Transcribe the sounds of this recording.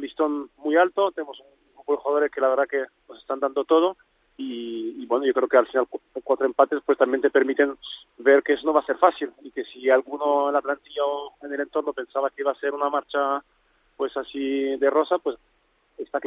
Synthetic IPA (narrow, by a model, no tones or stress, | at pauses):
list̪o̞nmujalt̪o̞t̪enemo̞sun | ukoloxaðoɾeske̞laβeɾðake̞ | nosest̪and̪and̪ot̪o̞ð̞o̞ | iːβwe̞noʝo̞kɾe̞okealfinalkwat̪ɾoempat̪e̞spwe̞st̪ambje̞nt̪epe̞ɾmit̪e̞n | be̞ɾkees̬noβase̞ɾfasilike̞sialɣuno̞enlap̪lant̪iʝaoene̞le̞nt̪o̞ɾno̞pe̞nsaβakeiβase̞ɾunamaɾt͡ʃa | pwe̞sasiðero̞sapwe̞s | est̪ak